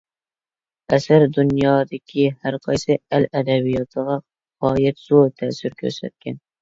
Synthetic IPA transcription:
æsaɾd̪ʊnjɑːd̪ɪkʲʰɪhæɾqʰɑjsɪælæd̪abijɒt̪ʰɨʁɑ | qɒːjat̪z̥oɾt̪ʰæːsɪɾkʲʰɵ̰ɾsæ̰t̪̚kʲan

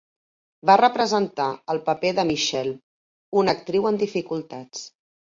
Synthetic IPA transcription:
barəpɾəzənt̪aəlˠpəpeðəmiʃɛl | unək̚t̪ɾiwənd̪ifikulˠt̪at͡s

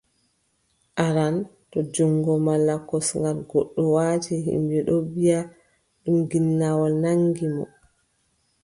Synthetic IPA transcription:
ʔaɾan | tɔd͡ʒɔŋɡɔmalːakɔsŋɡalɡɔɗːɔwaːtɛɦḭmbɛɗɔbija | ɗumɡinːawɔlnaŋɡimɔ̰

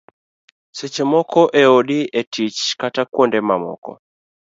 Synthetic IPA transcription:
sɛt͡ʃɛmɔkɔʔɛɔɗiɛtʰit͡ʃkatakwɔndɛmamɔ̰kɔ̰

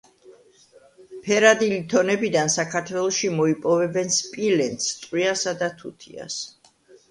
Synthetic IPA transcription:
pʰɛɾad̪ilit̪ʰɔnɛbid̪ansakʰaɾt̪ʰwɛlˠɔʃimɔipʼɔvɛbɛnspʼilɛnt̪st̪ʼwiasad̪at̪ʰut̪ʰḭa̰s

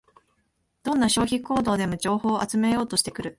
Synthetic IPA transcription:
d̪̥õ̞nːaɕo̞ːçiko̞ːd̪o̞ːd̪e̞mo̞d͡ʑo̞ːho̞ːʔat͡sɨme̞jo̞ːt̪o̞ɕi̥t̪e̞kɯ̟ɾɯ̟

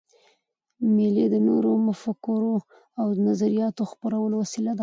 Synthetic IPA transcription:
meled̪ənoɾomʊfakʊɾo | awnazaɾijɑt̪oxpaɾawəlowasilad̪a

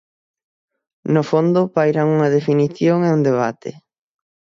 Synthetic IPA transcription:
nʊfond̪ʊpajɾaŋuŋɐð̞efiniθjoŋeund̪eβ̞at̪ʰḛ

